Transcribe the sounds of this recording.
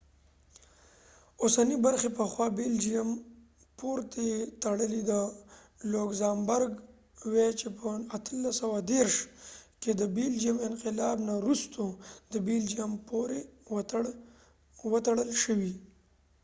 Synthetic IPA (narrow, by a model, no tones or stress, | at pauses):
osanibaɾxepəxwɑbild͡ʒiam | puɾt̪et̪aɽəlid̪ə | loɡzambaɾɡ | wet͡ʃepəat̪ʰəlːasəwad̪eɾʃked̪əbild͡ʒijamɪnqɪlɑbnaɾust̪od̪əbild͡ʒijampoɾe | wət̪aɽəlʃəwi